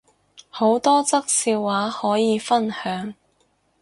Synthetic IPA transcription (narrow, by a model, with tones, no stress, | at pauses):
ho˨˥wt̪ɔː˥t͡sɐ˥k̚siː˧wːaː˨˥hɔː˨˥jiː˨˧fɐ˥nhœː˨˥ŋ